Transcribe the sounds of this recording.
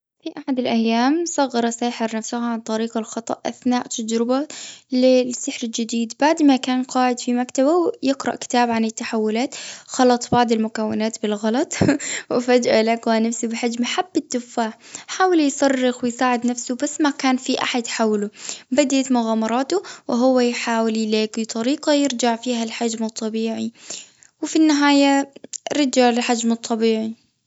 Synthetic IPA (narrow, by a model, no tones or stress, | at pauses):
fiʔaħad̪ɪlʔajːaːmsˤɑɣːɑɾˤɑsaːħɪɾnafsʊhaʕant̪ˤɑɾiːqɑlxɑt̪ˤɑ̰ʔʔa̰θnaːʔt̪ad͡ʒɾɪbalɪsɪħɾɪld͡ʒɪd̪iːd̪baʕd̪makaːnqɑːʕɪd̪fimakt̪abawjɪqɾɑʔkɪ̥t̪aːbʕanɪt̪ːaħawːʊlaːt̪xɑlɑt̪ˤbɑʕd̪ˤɪlmʊkawːɪnaːt̪bɪlɣɑlɑt̪ˤwɪfad͡ʒʔalakwanafsubɪħad͡ʒmaħabːɪt̪ːʊfːaːħħaːwɪljsˤɑrˤːɪxwɪjsaːʕɪd̪nafsʊbasːmakaːnfiʔa̰ħad̪ħawlubad̪at̪mʊɣaːmɑɾˤɑːt̪ʊwɪɦʊwːajħaːwɪljleːkit̪ˤɑɾiːqɑjɪɾd͡ʒaʕfiːɦalħad͡ʒmɨt̪ˤːɑbiːʕi | wɪfinːɪɦaːjaɾɑd͡ʒaʕlɪlħad͡ʒmɨt̪ˤʰːɑbiːʕi